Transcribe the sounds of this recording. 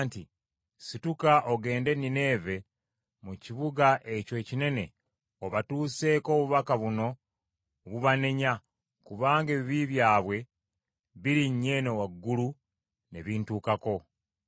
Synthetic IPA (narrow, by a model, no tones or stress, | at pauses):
nti | situkaʔoɡe̞ːnde̞nːine̞ːve̞ | muciβuɡaʔe̞cocine̞ne̞ | oβatuːse̞ːko̞ːβuβakaβuno̞ː | βuβaneɲa | kuβaːŋɡeːβiβiβjaːβwe̞ | βiɾiɲːe̞nowaɡːulu | nḛβiːntuːkako̞